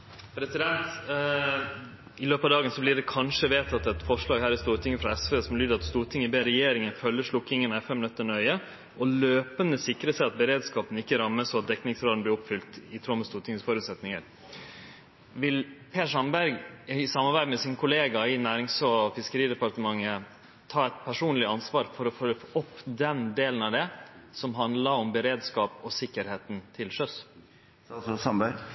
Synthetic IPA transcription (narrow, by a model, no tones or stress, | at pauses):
pʰɾɛsɪd̪ɛnt̪ | ɪløːpɑʋd̪ɑːɡənsɔblɪɖɛkʰɑnʂəʋeːt̪ʰɑt̪ɛt̪fɔʂɭɑːɡhæːɾɪst̪uːɾt̪ʰɪŋəfɾɑɛsʋeːsɔmlyːd̪ɑt̪st̪uːɾt̪ʰɪŋəbeːɾɛjeːɾɪŋənfœlːəʂɭʊkːɪŋənɛfɛmnœt̪ːəɳœʏə | ʔɔløːpənəsɪkɾəsæɪɑt̪̚bəɾeːd̪skɑːpənəɪkːəɾɑmːəsɔɑt̪̚d̪ɛkːnɪŋsɾoːln̩b̪ɪɾʊpfʏlt̪ɪt̪ʰɾɔməst̪uːt̪ʰɪŋəsfɔɾʉt̪sɛt̪nɪŋə̰ɾ | ʋɪlpʰeːʂɑmbæɾɡɪsɑmːɑɾbæɪmɛsɪnkʰʊleːɡɑɪnæːɾɪŋsɔɔfɪskəɾiːd̪ɛpɑɾʈ̪əmɑŋːə | t̪ʰɑːɛt̪pʰæʂuːnlɪɑnsʋɑːɾfɔɾɔfɔɾəfʔɔpːd̪ɛnd̪eːlənɑʋd̪ɛsɔmɦɑnd̪lɑɾɔmbəɾeːd̪skɑːpɔsɪkːəɾheːt̪n̩t̪ʰɪlʃœs | sɑbæ